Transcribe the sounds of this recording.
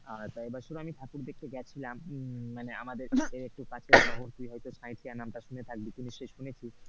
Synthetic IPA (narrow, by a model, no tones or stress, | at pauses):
aɾt̪aebaʃuɾamit̪ʰapuɾd̪eɾkeɡɛt͡ɕʰilamːanea̰mad̪eɾeɾek̚ʈukat͡ɕʰebɔɦoɾt̪ujɦɔjt̪ot͡ɕʰãjʈʰianamʈaʃunet̪ʰak̚bit̪uniʃejʃunet͡ɕʰi